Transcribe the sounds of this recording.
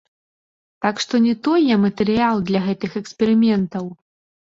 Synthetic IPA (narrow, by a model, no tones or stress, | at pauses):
t̪akʂt̪ɔnʲɛt̪ɔjɛmɐt̪ɛɾɨjalˠd̪lʲɐɣɛt̪ɨxɛksʲpʲɛɾɨmʲɛnt̪ɐw